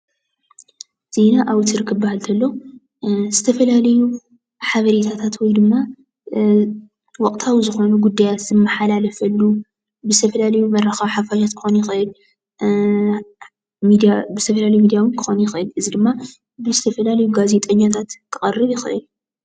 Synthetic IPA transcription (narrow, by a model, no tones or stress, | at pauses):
z̥e̞naʔawt̪ɨɾkʰɨbbahalt̪ʰɐlːo | zɨt̪ʰɐfɐlalɐju | ħaβɐɾet̪ʰat̪ʰat̪wɔjd̪ɨmːa | wɔkʼt̪ʰawzɨxo̞nuɡud̪ːajat̪z̥ɨmːɐħalalɐfɐlːu | bɨzɨt̪ʰɐfɐlalɐjumɐrɐxawħafaʃat̪kʰɨ̥xo̞njɪxʔɨl | mid̪bɨzɨt̪ʰɐfɐlalɐjmid̪ijawɨnkʰɨ̥xo̞nujɪxʔɨlɨzid̪ɨmːa | bɨzɨt̪ʰɐfɐlalɐjuɡaze̞t̪ʼɐɲːat̪ʰat̪kʰɨχʼɐrːɨβjɪxɨʔɨl